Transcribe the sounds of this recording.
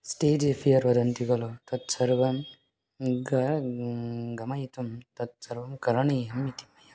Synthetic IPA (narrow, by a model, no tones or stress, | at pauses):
sʈeːd͡ʒefʰijɐɾʋɐd̪ɐnt̪iɡɐlot̪ɐt̪sɐɾʋɐm | ɡɐɾ | ɡɐmajit̪umt̪ɐt̪̚sɐɾʋɐmkɐɾɐɳijɐmːit̪i̥mɐjɐ